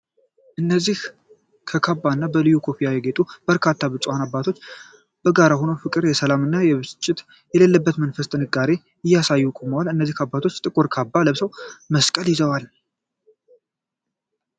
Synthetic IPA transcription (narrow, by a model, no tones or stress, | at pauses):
ʔɨnːəzːih | kʰəkʰabːanːabəlɨjukʰo̞pʰijajɛɡe̞t̪ʼub̥əɾkʰat̪ʰːaβɨt͡ʃʼwanabːat̪ʰo̞t͡ʃː | b̥əɡaɾaho̞nofɨkʼɨɾjɛsəlamɨnːajɛβɨt͡ʃʼːɪt̪ | jɛlelːəbːət̪mənfəst̪ʼɨnɨɡaɾe̞ | ɨjːasajːukʼuməwalɨnːəzːihabːat̪ʰo̞t͡ʃːt̪ʼɨkʼuɾkʰabːaləβsəwməskʼəljɪzəwal